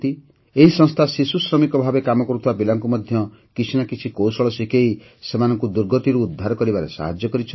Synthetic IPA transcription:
t̪i | eɦisɔ̃ŋst̪ʰasisusɾɔmikɔbʱabekamɔkɔɾut̪ʰibabilaŋkumɔd̪ʱjɔ | kit͡ʃʰinakit͡ʃʰikowsɔɭɔsikei | semanɔŋkud̪uɾɡɔt̪iɾuːd̪ʱːaɾɔkɔɾibaɾḛsa̰ɦad͡ʒjɔkɔɾit͡ʃʰ

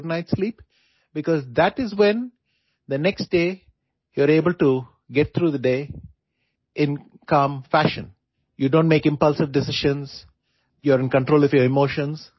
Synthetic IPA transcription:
ɖnaɪʈsliːp | bɪkɔːzd̪æʈɪzwɛ̃n | d̪ənɛksʈɖeː | juəɾeːbəlʈu | ɡɛʈ̚t̪ʰɾuːd̪əɖeː | ɪ̃n | kʌ̃mfæʃə̰̃n | juɖõːnʈ̚meːkɪ̃mpʌlsɪʋɖɪsɪʃə̃nz | jɔɾɪ̃nkə̃ɳʈɾoːlʌfjəɾɪmoːʃə̃nz

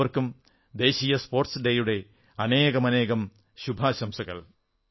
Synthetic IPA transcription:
ɐrkum | d̪e̞ːɕiːjɐspo̞ːrʈsɖejuɽe̞ | ɐne̞ːɣɐmɐne̞ːɣɐm | ɕubʱaːɕɐmsɐɣɐ̰l

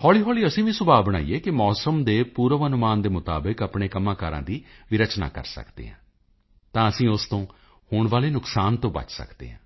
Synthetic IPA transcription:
hɔːliːɦɔːliːəsĩːʋĩːsʊbaːbəɽ̃a̰ːḭːeːkɪmɔːsəmd̪eːpuːɾəʋənʊmaːnd̪eːmʊt̪a̰ːbəkəpɳeːkəmãːkaːɾã̰ːd̪iːʋɪɾət͡ʃna̰ːkə̰ɾsə̰kd̪ḛːɦãː | t̪ãːəsĩːʊst̪õː | hʊːɳʋaːleːnʊksaːnt̪õːbə̰t͡ʃsə̰kd̪ḛːɦãː

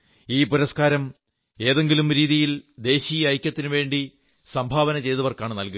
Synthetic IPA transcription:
iːpuɾɐskaːɾɐm | e̞ːðe̞ŋɡilumɾiːðijild̪e̞ːɕijɐɐjkʲːɐt̪ːinɨʋe̞ːɳɖi | sɐmbʱaːʋɐnɐt͡ɕe̞jðɐʋɐrkaːɳɨnɐlku

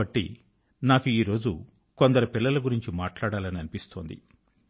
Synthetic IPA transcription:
ɐʈːḭ | naːkuiːɾo̞ːd͡ʒṵ | kond̪ɐɾɐpilːɐlɐɡuɾiɲt͡ʃimaːʈlaːɽaːlɐniɐnipist̪o̞ːnd̪ḭ

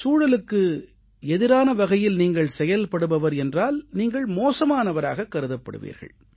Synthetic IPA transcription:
suːɽɐlɯkːɯ | ɛðɪɾaːnɐʋɐɣɐjɪlniːŋɡɐɭsɛjɐlpɐɽɯʋɐʋɐɾɛndraːlniːŋɡɐɭmoːsɐmaːnɐʋɐɾaːɣɐkːɐɾɯðɐpːɐ̰ɽɯ̰ʋḭːɾɣɐ̰ɭ

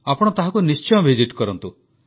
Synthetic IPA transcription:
apɔɽ̃ɔt̪aɦakunist͡ʃɔjbʱiziʈkɔɾɔnt̪u

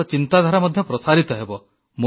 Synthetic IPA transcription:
ɔt͡ʃint̪ad̪ʱaɾamɔd̪ʱjɔpɾɔsaɾit̪ɔɦebɔ | mo

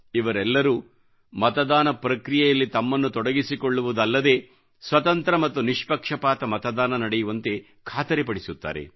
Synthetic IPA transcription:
iʋɐɾɛlːɐɾuː | mɐt̪ɐd̪aːnɐpɾɐkɾijɛjɐlːit̪ɐmːɐnːut̪ɔɽɐɡisikɔɭːuʋud̪ɐlːɐd̪e̞ː | sʋɐt̪ɐnt̪ɾɐmɐt̪ːuniʂpɐkʂɐpaːt̪ɐmɐt̪ɐd̪aːnɐnɐɽejuʋɐnt̪e̞ | kʰaːt̪ɐɾepɐɽisut̪ːa̰ːɾe̞̰

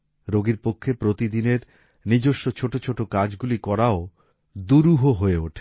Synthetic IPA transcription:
ɾoɡiɾpokʰːepɾot̪id̪ineɾ | nid͡ʑoʃːot͡ɕʰoʈot͡ɕʰoʈokad͡ʑɡulikɔɾao | d̪uɾuɦoɦoeuʈʰe̥

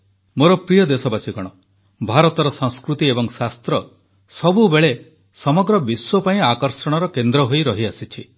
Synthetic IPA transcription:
moɾɔpɾijɔd̪esɔbasiɡɔɽ̃ɔ | bʱaɾɔt̪ɔɾɔsɔŋskɾut̪iebɔŋsast̪ɾɔ | sɔbubeɭe | sɔmɔɡɾɔbiswɔpaĩakɔɾsɔɽ̃ɔɾɔkend̪ɾɔɦojɾɔɦiasit͡ʃʰi

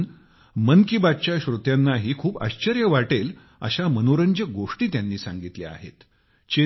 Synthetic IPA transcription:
n | mənkibad̪̚t͡ɕjaɕɾut̪janːaɦiːkʰuːpa̰ɕt͡ɕəɾjəʋaʈel | ə̰ɕamənoɾəɲd͡ʑəɡoʂʈiːt̪janːiːsaŋɡit̪lḛa̰ɦḛt̪ | t͡ɕe

